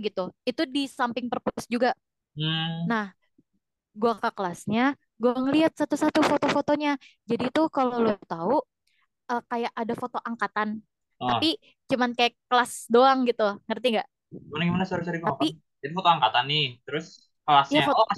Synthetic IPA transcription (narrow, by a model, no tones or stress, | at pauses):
ɡit̪uit̪udisampɪŋpərpuʊsd͡ʒuɡa | m̩nah | ɡuakakəlasɲa | ɡuaaŋəliɦat̪̚sat̪usat̪ufot̪ofot̪oɲad͡ʒadit̪ʊkalolot̪au | əkajaʔadafot̪oʔaŋkat̪an | t̪api | t͡ʃumankajakəlasdoaŋɡit̪uŋərt̪iŋɡaʔ | manaɡimanasaɾisaɾiɡ̪aapi | d͡ʒadifot̪oaŋkat̪anːɪt̪əɾʊs | kəlasjaafot